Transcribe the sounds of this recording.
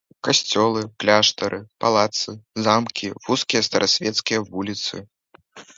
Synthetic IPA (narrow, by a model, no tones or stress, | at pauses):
kasʲt͡sʲɔlˠɨklʲaʂt̪ɐɾʔɨpalˠat̪sɨzamkʲʰivuskʲijɐst̪ɐɾʔasʲvʲɛt̪skʲijɐvulʲit̪sɨ̰